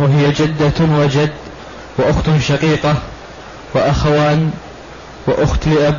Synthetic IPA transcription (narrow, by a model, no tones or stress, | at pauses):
waɦɪjad͡ʒad̪ːawad͡ʒad̪ː | waʔʊxt̪ʃɑqiːqɑ | waʔaxawaːn | wɪʔʊxt̪lɪʔab